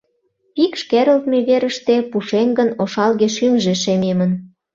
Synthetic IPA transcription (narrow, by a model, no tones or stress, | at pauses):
pikʃkeɾəlt̪meβeɾəʃt̪epuʃemɡənoʃɑlɣeʃymʒeʃememən